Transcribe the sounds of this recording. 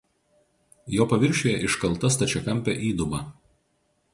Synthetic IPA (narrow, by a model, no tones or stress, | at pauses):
joːpɐʋʲɪɾʲʃʲoːjɛʔɪʃkɐlˠˑt̪ɐst̪ɐt͡ʃʲɛkɐmʲpʲɛʔiːd̪ʊbɐ